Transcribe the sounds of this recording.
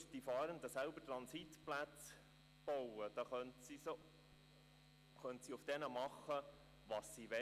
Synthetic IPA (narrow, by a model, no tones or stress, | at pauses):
sd̥ifɑːɾənd̪əsælbətɾɑnsitplæt͡s | b̥ɔwəd̥ɑχœntsiso | χœntsiʊfd̥ɛnəmɑχə | ʋɑsːiʋɛ